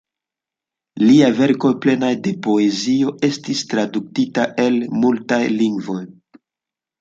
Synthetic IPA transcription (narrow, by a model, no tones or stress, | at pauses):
liave̞ɾko̞jple̞najde̞po̞ezio̞e̞stistɾaduk̚titaʔe̞lmultajliŋɡvo̞j